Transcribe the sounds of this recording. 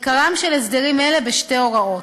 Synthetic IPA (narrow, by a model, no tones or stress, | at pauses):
kaʁamʃelesd̪eʁimele̞beʃte̞o̞ʁao̞t